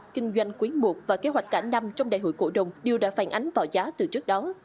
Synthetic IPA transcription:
kï˧ŋ̟zwa˧jŋ̟kwi˨˦nmu˨˩ək̚vaː˨˩ke˨˦ɦwa˨˩jk̟̚kaː˧˩na˧mt͡ɕɔ˧wŋ͡mɗa̰ː˨jɦo̰˧˨jko̰˧˩ɗə˨˩wŋ͡mɗi˨˩əwɗa̰ː˧˥faː˧˩nʔa˨˦jŋ̟vaː˨˩wzaː˨˦t̪ɨ˨˩t͡ɕɨ˦˥ək̚ɗɔ˨˦

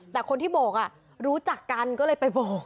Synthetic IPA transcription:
t̪ɛː˨˩kʰo˧nt̪ʰiː˥˩bɔː˨˩k̚ʔa˨˩ | ɾuː˦˥t͡ɕa˨˩kːa˧nkɔː˥˩lɤː˧jpa˧jbɔː˨˩k̚

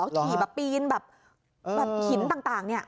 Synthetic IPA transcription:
kʰi˨˩bɛː˨˩pːiː˧nbɛː˨˩p̚ː | bɛː˨˩p̚kʰi˨˩˦nt̪aː˨˩ŋt̪aː˨˩ŋni˥˩ɐ

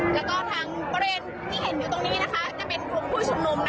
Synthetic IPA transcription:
lɛ˦˥wkɔː˧˩t̪ʰaː˧ŋbɔ˧ɾeː˧n | t̪ʰiː˥˩ɦe˨˩˦njɯː˨˩˦t̪o˧ŋniː˦˥na˦˥kʰa˦˥t͡ɕa˨˩pe˧nkʰlu˧˩˦mp̪ʰuː˥˩sʰu˧ŋnu˧mna˧˩

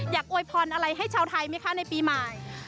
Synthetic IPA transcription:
jaː˨˩k̚ʔoː˧jpʰɔː˧nʔa˧ɾa˧jɦa˥˩jt͡ɕʰaː˧wt̪ʰa˧jma˦˥˩kʰa˦˥˩na˧jpiː˧ma˨˩j

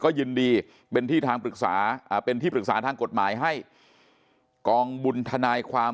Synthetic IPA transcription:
kɔː˥˩jɯː˧ndiː˧ | pe˧nt̪ʰiː˥˩t̪ʰaː˧ŋpɾɯ˨˩k̚sa̰ː˩˦ʔːpe˧nt̪ʰiː˥˩pɾɯ˨˩k̚saː˩˦t̪ʰaː˧ŋko˨˩t̪̚maː˩˦jɦa˥˩j | kɔː˧ŋbu˧nt̪ʰa˧naː˧jkʰwaː˧

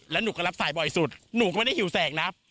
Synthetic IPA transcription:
lɛː˦˥wnuː˨˦kɔː˥˩la˦˥p̚saː˩˦jbɔ˨˩jsu˨˩t̪̚nuː˨˦kɔː˥˩mː˧˩da˥˩jhi˩˦wsɛː˨˦ŋ̚na˦˥p̚

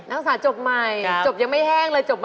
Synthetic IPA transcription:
na˦˥k̚saː˩˦t͡ɕo˨˩p̚ma˨˩jt͡ɕo˨˩p̚ja˨˩ŋma˥˩jhɛː˥˩ŋlɤː˧jt͡ɕo˨˩p̚m

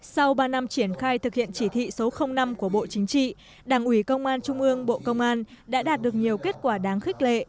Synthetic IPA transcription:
sa˧wɓaː˧na˧mt͡ɕi˧˩ənxaː˧jt̪ʰɨ˨˩k̚hḭ˧˨ənt͡ɕi˧˩t̪ʰḭ˧˨so˨˦xə˧wŋ͡mna˧mku˧˩əɓo̰˧˨t͡ɕï˨˦ŋ̟t͡ɕḭ˧˨ | ɗaː˧˩ŋʔwi˧˩kə˧wŋ͡mʔaː˧nt͡ɕʊ˧ŋ͡mʔɨ˧əŋɓo̰˧˨kə˧wŋ͡mʔaː˧nɗa̰ː˧˥ɗaː˨˩t̚ɗɨ˨˩ək̚ɲi˨˩əwke˦˥t̚kwaː˧˩ɗaː˨˦ŋxï˦˥k̟̚lḛ˧˨

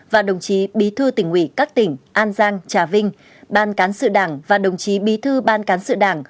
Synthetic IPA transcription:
vaː˨˩ɗə˨˩wŋ͡mt͡ɕi˨˦ɓi˨˦t̪ʰɨ˧t̪ï˧˩ŋwḭ˧˩kaː˦˥k̚t̪ï˧˩ŋ̟ʔaː˧nzaː˧ŋt͡ɕaː˧˩vï˧ŋ̟ | ɓaː˧nkaː˨˦nsɨ̰˧˨ɗaː˧˩ŋvaː˨˩ɗə˨˩wŋ͡mt͡ɕi˨˦ɓi˨˦t̪ʰɨ˧ɓaː˧nkaː˨˦nsɨ̰˧˨ɗaː˧˩ŋ

